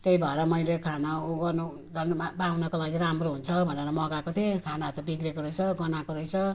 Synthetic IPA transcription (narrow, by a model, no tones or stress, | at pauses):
k̪ejbʱʌeɾʌmʌjlekʰanauɡʌnu | d̪ʱʌnmabawnʌkolaɡiɾamroɦunt͡sʰʌbʱʌneɾʌmʌɡakot̪ʰekʰanat̪ʌbiɡɾekoɾʌjt͡sʰʌɡʌnakoɾʌjt͡sʰʌ